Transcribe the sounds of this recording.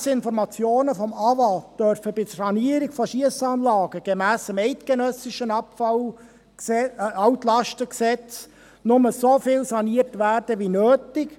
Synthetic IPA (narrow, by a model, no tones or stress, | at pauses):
sɪnfɔɾmɑt͡sjoːnəfɔmɑvɑd̥œɾfəbɪdsɑniəɾɪɡfɔʃiəsɑːnlɑːɡəɡ̥emæːsəmɛɪtɡ̥enœsɪʃənɑpfɑl | ɑwtlɑʃtəksɛt͡s | nʊməsofɪlsɑniːərtʋæːrd̥əʋinøːtɪk